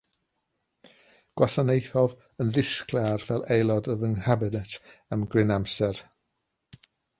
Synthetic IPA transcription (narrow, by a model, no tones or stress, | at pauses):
ɡ̥wasanejθɔv | ənðɪskʰlarvɛlˠʔejlˠɔdəvəŋhabɪdɛtʰamɡrɪnamsɛr